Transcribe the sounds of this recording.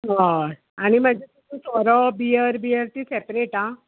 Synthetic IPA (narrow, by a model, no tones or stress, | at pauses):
ɦa | aɽ̃iməd͡ʑet̪ut̪ũsɔɾɔbijəɾbiəɾt̪isepɾeʈã